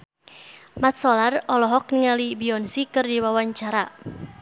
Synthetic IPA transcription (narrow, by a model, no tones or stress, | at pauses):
mat̪̚sɔlarɔlɔɦɔk̚niŋalibiɔnsikɨrdiwawaɲt͡ʃaɾa